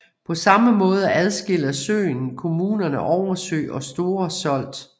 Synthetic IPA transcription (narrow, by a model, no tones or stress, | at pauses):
pʰɒ̽sɑ̈məmɔ̽ːð̞ˠəʔæð̞ˠsɡ̥e̝l̰ɐsø̰ːɪnkʰo̝muːnɐnəʔɒʊɐsø̰ːɪʔɒ̽sd̥o̝ːɐsɒ̽l̰d̥